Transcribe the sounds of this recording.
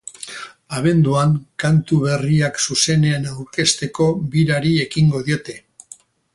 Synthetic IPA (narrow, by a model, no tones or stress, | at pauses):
aβ̞e̞nd̪uaŋkant̪uβe̞riaksuse̞ne̞anawɾke̞st̪e̞ko̞βiɾaɾie̞kiŋɡo̞ðio̞t̪e̞